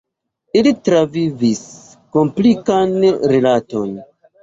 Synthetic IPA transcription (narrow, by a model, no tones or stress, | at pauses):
ilitɾavivis | ko̞mplikanɾelato̞n